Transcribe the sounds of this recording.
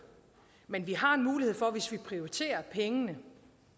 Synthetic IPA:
menʋiɦɑ̈e̝nmuːlihe̝̰fɒ̽ʋe̝sʋipʰʁioit͡sʰe̝̰ːɐpʰeŋənə

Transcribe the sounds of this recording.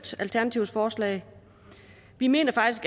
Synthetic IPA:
d̥ælt͡sʰæɐnæt͡sʰiʊsfɒːslɛ̰ːɪ | ʋime̝̰ːnɐfɑ̈ɡ̥isɡ̥

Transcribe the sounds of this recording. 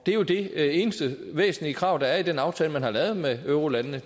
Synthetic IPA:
d̥e̝æɐjo̝d̥e̝e̝ːnəsd̥ə | ʋḛːsn̩liəkʰʁɑ̈ʊ̰d̥ɑ̈æɐid̥enɑ̈ʊt͡sʰɛːləmænhɑ̈lɛːʊð̞̩ˠmeøʊʁolænnə

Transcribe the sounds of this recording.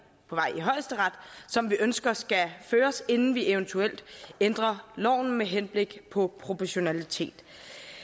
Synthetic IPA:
pʰɒ̽ʋɑ̈ɪ̰iɦɒ̽ɪ̰sd̥əʁɑ̈d̥sɒ̽mʋiʔønsɡ̥ɐsɡ̥æføːɐse̝nn̩ʋiʔeʊnt͡sʰuel̰d̥end̥ʁɐlɒ̰ʊ̰n̩meɦenb̥le̝ɡ̥pʰɒ̽pʰʁo̝pʰɒɕo̝nælit͡sʰe̝̰ːd̥

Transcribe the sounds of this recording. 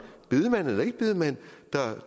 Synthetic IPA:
b̥yðˠmæn̰elɐe̝ɡ̥əb̥yðˠəmæn̰d̥ɑ

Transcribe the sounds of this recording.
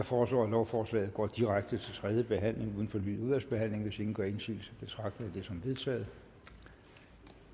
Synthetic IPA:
jɑ̈fɒːslɔ̰ːælɒʊfɒːslɛ̰ːð̩ˠɡ̥ɒ̰ːd̥iʁaɡ̥̚d̥ət͡sʰe̝lt͡sʰʁɛð̞ˠjəb̥e̝ɦæn̰le̝ŋuðˠən̩fɒ̽ny̰ːðˠuð̞ˠʋæl̰sb̥e̝ɦæn̰le̝ŋʋe̝se̝ŋn̩ɡ̥ɶɐe̝nsḭːl̩səb̥e̝t͡sʰʁɑ̈ɡ̥d̥əðˠæd̥e̝sɒ̽mʋe̝ð̞ˠt͡sʰɛ̰ːð̞̩ˠ

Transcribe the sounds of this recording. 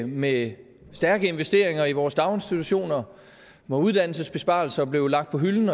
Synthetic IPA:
me | sd̥æɐɡ̥əe̝nʋesd̥e̝ɐ̰eŋɐiʋɒːsd̥ɑ̈ʊe̝nsd̥it͡sʰuɕo̝̰ːnɐ | mɒ̽uð̞ˠd̥æn̰l̩səsb̥e̝sb̥ɑ̰̈l̩sɐb̥le̝ʊlɑ̈ɡ̥d̥pʰɒ̽ɦyln̩

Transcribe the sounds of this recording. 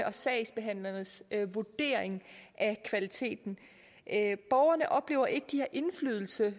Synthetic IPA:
əʔɒ̽sɛɪsb̥e̝ɦæn̰lɐnəsʋud̥e̝̰ːɐ̰eŋʔækʰʋælit͡sʰe̝̰ːd̥n̩ | b̥ɒʊɐnəʔɒ̽b̥le̝ːʊɐʔe̝ɡ̥əd̥iheɐʔe̝nfly̰ːð̞ˠl̩sə

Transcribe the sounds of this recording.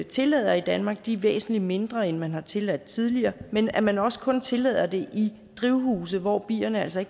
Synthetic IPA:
t͡sʰe̝lɛð̞̰ˠɐid̥ænmɑ̈ːɡ̥̚d̥iʋḛːsn̩lid̥me̝nd̥ʁɐenmænɦɑ̈t͡sʰe̝læd̥t͡sʰiðˠliɐːmenæmænɒ̽sə̥kʰɔ̽nt͡sʰe̝lɛ̰ð̰ˠɐd̥e̝ʔi | d̥ʁiʊhuːs̬əð̩ˠʋɒːb̥ḭːɐnəæl̰sɒe̝ɡ̥

